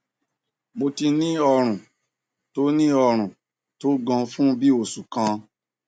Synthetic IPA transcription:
mo˧ti˧nĩ˦ɔ˧ɾ̃ũ˨ | to˦nĩ˦ɔ˧ɾ̃ũ˨ | to˦ɡɔ̃˧fũ˦bi˦o˦˨su˨kã˧

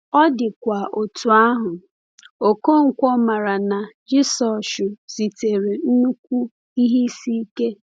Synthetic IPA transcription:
ɔ˦dɪ˨kʷa˨ʔo˨tu˨a˦ɦʊ˨ | o˨ko˦ŋ̩˨kʷɔ˦ma˨ɾa˨na˨d͡ʒɪ˦sɔ˨ʃʊ˨z̥i˨te˨ɾe˨n̩˦nu˦k̚ʷu˦ | i˦ɦi˦si˦ke˦

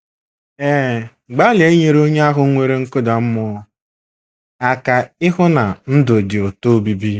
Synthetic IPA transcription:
eː˦ | ɡ͡ba˦lɪ˨e˦ɲe˦˨ɾo˦ɲe˦a˦ɦʊ˦ŋʷe˦ɾe˦ŋ̩˦kʊ˦da˨m̩˦mɔ˦ | a˨ka˨ɪ˦ɦʊ˦na˨n̩˦dʊ˨di˨o˨to˦bi˦bi˦

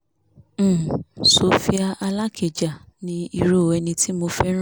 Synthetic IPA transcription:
so˨fi˦a˧ʔa˧la˦kʰe˨d͡ʒa˨ | nĩ˧i˧ɾo˦˨ɛ˧nĩ˧ti˦mo˧fɛ˦ɾ̃

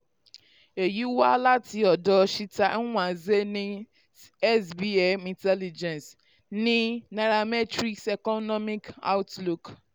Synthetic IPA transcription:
e˨ji˦wa˦la˦tʰi˨ɔ˨dɔ˨ʃi˦tã˨˦w̃ã˨ze˦nĩ˦ | ɛ˦sbi˦e˨mĩ˨tɛ˦li˨d͡ʒɛ̃˨ns | nĩ˦na˨ɾa˨mɛ˦tɾi˦ksɛ˨kɔ˦nɔ˦mi˦ka̰˦wtlu˨k

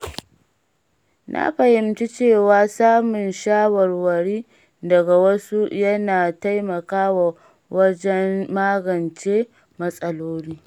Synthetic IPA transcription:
nʔa̰˦ɸɐ˨hɪ˨mt͡ʃi˦t͡ʃeː˦˨waː˦saː˦mʊ˨nʃaː˦wɐ˨rwɐ˨ɽiː˦ | dɐ˨ɡa˨wɐ˦su˦jɐ˦naː˨ta˦jmɐ˨kaː˦wa˨ | wɐ˦d͡ʒɛ˦nːaː˦ɡɐ˨nt͡ʃeː˦ | mɐ˦sʼɐ˦loː˦niː˦

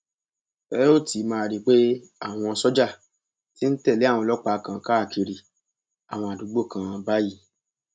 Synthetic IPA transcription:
fɛ˦o˦˨tʰi˨˦mãː˧˨ɾi˦k͡pe˦ | a˦˨w̃ɔ̃˧sɔ˦d͡ʒa˦˨ | ti˦n̩˦tɛ˦˨le˦a˦˨w̃ɔ̃˧lɔ˦k͡pa˧˦˧kã˧˨ka˦˨ki˧ɾi˨ | a̰˨w̃ɔ̃˧a˨du˨˦ɡ͡bo˦˨kã˧ba˦ji˦

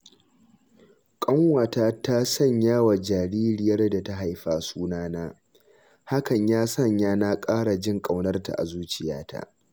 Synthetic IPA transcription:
kʼɐ˦ŋwaː˨taː˦ta˦sɐ˦˨ɲjaː˦wa˨d͡ʒaː˨ɽiː˦ɾɪ˨jɐ˦rda˨ta˦ɦa˨jɸaː˦suː˦naː˦naː˦ | ha˦kɐ˨ɲjaː˦sɐ˦˨ɲjaː˦naː˦kʼaː˦ɽa˨d͡ʒɪ˦ŋkʼa˨wnɐ˦rta̰˨ʔa̰˨zuː˦t͡ʃɪ˨ja̰ː˦tʰa̰˦˨ʔ

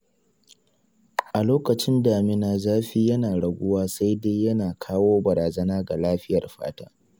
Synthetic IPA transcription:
ʔa˨loː˦kɐ˨t͡ʃɪ˦ndaː˨mɪ˦naː˨zaː˦ɸiː˦jɐ˦naː˨ɽɐ˨ɡʷʊ˦waː˦sa˦jde˦jjɐ˦naː˨kʰaː˦woː˦bɐ˨ɾaː˨zɐ˦naː˦ɡa˨laː˦ɸɪ˦jɐ˨rɸa̰ː˦ta̰ː˦

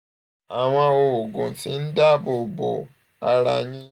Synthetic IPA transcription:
a˨w̃ã˧o˧wo˨ɡõ˨ti˨˦n̩˦da˦˨bo˨bo̰˨ | a˧ɾa̰˧˨ɲĩ˦

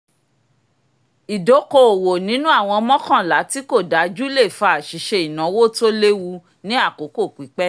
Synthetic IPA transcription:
i˨do˨˦ko˧˦o˨wo˨nĩ˨˦nũ˦a˦˨w̃ɔ̃˧mɔ̃˦kã˦˨la˨˦ti˨˦ko˦˨da˨˦d͡ʒu˦le˦˨fa˧˨ʃi˨˦ʃe˧i˨nã˨˦wo˦to˦le˦wu˧ | nĩ˦a˦˨ko˨˦ko˦˨k͡pi˨˦k͡pɛ˦

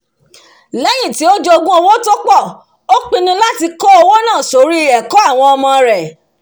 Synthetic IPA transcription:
lɛ˦j̃ĩ˦˨ti˨˦o˦d͡ʒɔ˦o˧ɡũ˦o˧wo˦to˦k͡pɔ˦˨ | o˦k͡pi˧nĩ˧la˦ti˧kɔ˦o˧wo˦nãː˦˨so˨˦ɾi˦ɛ˨kɔ˦a˦˨w̃ɔ̃˧ɔ˧mɔ̃˧ɾɛ˨

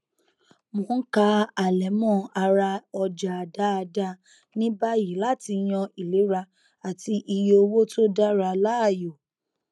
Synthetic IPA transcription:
mõ˨˦n̩˦ka˧˦a˨lɛ˨˦mɔ̃˦˨a˧ɾa˧ɔ˧d͡ʒa˨a˨da˦a˧da˦ | nĩ˦ba˦ji˨la˨˦ti˧j̃ɔ̃˧i˨le˨˦ɾa˧ | a˨ti˧ʔi˧jo˧o˧wo˦to˦da˦ɾa˧la˦a˦˨jo˨

